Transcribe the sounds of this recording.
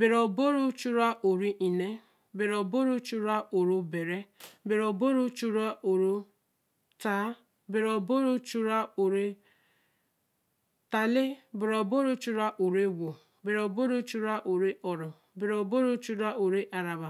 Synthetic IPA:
bɪ˨ɾɔ˨bo˦ɾo˦t͡ʃu˦ɾa˦ʔo˨ɾi˦ʔi˨ne˦ | bɪ˨ɾɔ˨bo˦ɾo˦t͡ʃu˦ɾa˦o˨ɾo˦be˨ɾe˦bɪ˨ɾɔ˨bo˦ɾo˦t͡ʃu˦ɾa˦ʔo˨ɾo˦ | ta˦ | bɪ˨ɾɔ˨bo˦ɾo˦t͡ʃu˦ɾa˦o˨ɾe˦ | ta˨lɪ˦bɪ˨ɾɔ˨bo˦ɾo˦t͡ʃu˦ɾa˦ʔo˨ɾe˦wo˨ | bɪ˨ɾɔ˨bo˦ɾo˦t͡ʃu˦ɾa˦ʔo˨ɾe˦ɔ˨ɾɔ˨ | bɪ˨ɾɔ˨bo˦ɾo˦t͡ʃu˦ɾa˦ʔo˨ɾe˦ʔa˨ɾa˨ba˨

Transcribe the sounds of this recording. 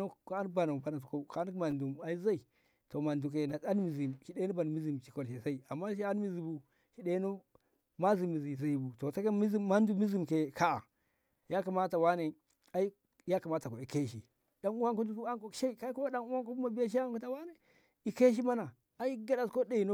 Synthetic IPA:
o˦ka˦n˦ba˨na˨ba˨na˨s̬u˨ko˦˨ka˨˦n˦ma˨ndu˨ma˨i˦za˦i˨ | to˨ma˨ndu˨k̬e˨na˨a˦n˦mi˨zi˨mʃi˦de˦nu˦ba˨n˨mi˦zi˨mt͡ʃi̥˨ko˨lʃe˨za˦i˨a˨mːa˦ʃ̬i˦a˦n˦mi˦˨zi˨bu˨ | ʃi˨ɗe˦nu˦ | ma˦zi˨mi˨zi˨za˨i˨bu˨to˨sa˦ka˦mi˦zi˦ma˦n˦du˦mi˦zi˦mke˨ka˦a̰˨ | ja˦ka˨ma˦ta˨wa˦ne˨ | a˨˦i˦ | ja˦ka˨ma˦ta˨ko˨i˨ke˦ʃi˨ | da˨nu˦wa˦nko˦du˦ki˦a˦nko˨ʃa˦i˨ka˦i˦ku˦ma˦da˦nu˦wa˦ŋko˦u˦ma˨bi˦ja˦ʃ̬i˦ko˦ta˨wa˦ne˨ | i˦ke˦ʃ̬i˦ma˦na˨ | a˦i˦ɡa˦da˨sko˦de˨i˨no˦

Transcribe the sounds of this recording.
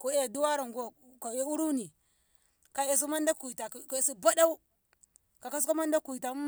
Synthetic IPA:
ko˨e˨du˦wa˦ɾa˨ŋɡo˨ka˨e˦u˦ɾu˦ni˨ | ka˨e˨s̬i˦ma˦nda˦ku˨ta˨ke˨si˦ba˦da˦u˦ | ka˨ka˦s̬ko˦ma˦nda˦ku˨i˨ta˨˦

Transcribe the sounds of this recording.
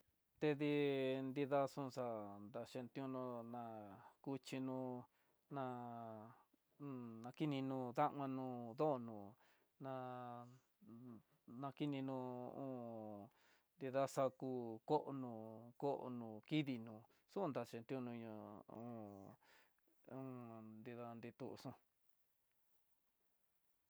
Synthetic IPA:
t̪e˧ði˧nd̪i˧ða˦sũ˦˧ʂa˧nd̪a˧ʂe˧nt̪jũ˧nũ˧nã˧ku˧t͡ʃi˧nũ˧ | nã˧ | nã˧ki˦nĩ˧nũ˧ða˦ʔŋã˧nũ˧ðo˦ʔo˧nũː˨ | nã˧ | nã˧ki˦nĩ˧nũ˧ṵ̃ː˦ | nd̪i˧ða˦sa˧ku˧ko˦ʔo˧nũ˧ko˦ʔo̰˧nũ˨ki˦ði˧nũː˨ | su˦˧nd̪a˧t͡ʃi˧nt̪i˧˦u˦˧nũ˧ɲũ˧ũ˧˦˧ | ũ˦nd̪i˧ða˧nd̪i˧t̪u˧ʔsũ˦

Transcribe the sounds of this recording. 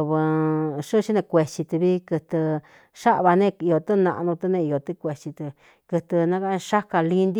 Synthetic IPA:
βɨ˧ʂɨ˦˧ʃi˦nẽ˧kʷe˧t͡ʃi˧t̪ɨ˧βi˦kɨ˧t̪ɨ˧ | ʂa˦ʔβa˧nẽ˦i˧o˧t̪ɨ˦nã̰˧ʔnũ˧t̪ɨ˧nẽ˧i˧jo˨t̪ɨ˦kʷe˨t͡ʃi˧t̪ɨ˧ | kɨ˧t̪ɨ˧nã˦ka˦˧ʂa˦ka˧li˧nd̪i˦

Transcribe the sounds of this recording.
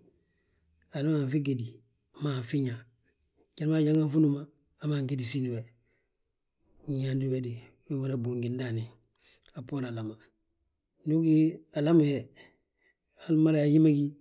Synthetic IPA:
a˨la˦ma˨fi˦ɡe˨di | ama˨fi˦ɲa˨ | ɟa˦ɾma˨ɟaŋa˦ɱfu˦numaː | maŋɡe˦disi˦ni˨we˨ | ɲaːndi˦wedi˨ | wi˦mo˦ɾa˨bu˨ŋɡi˨ndani | a˨po˦ɾa˨lama˨ | nu˦ɡi˦a˨lamuhe˨ | ha˦lma˦ɾaa˨ji˦ma˦ɡi˦

